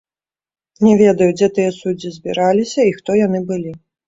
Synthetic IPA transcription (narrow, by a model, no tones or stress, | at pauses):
nʲɛvʲɛd̪ɐjud͡zʲɛt̪ɨjɛsud͡zʲːizʲbʲiɾalʲisʲɐixt̪ɔjanɨbɨlʲi